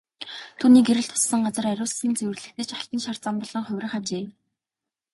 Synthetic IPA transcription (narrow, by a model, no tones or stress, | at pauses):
t̪ʰuːniːɡeɾɘ̆ɮt̪ʰʊ̥sːə̆ŋɢat͡sə̆ræɾʲʊːsiːnt͡sewɘ̆rɮɘ̆xt̪ɘ̆t͡ɕaɬt̪ə̆nʃar̥t͡sampɔɮ̥ɞ̆ŋχʊwʲrə̆χat͡ɕeː